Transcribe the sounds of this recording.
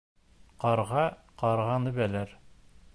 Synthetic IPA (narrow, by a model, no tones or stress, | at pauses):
qɑɾʁɑqɑɾʁɑnɘ̆βælæɾ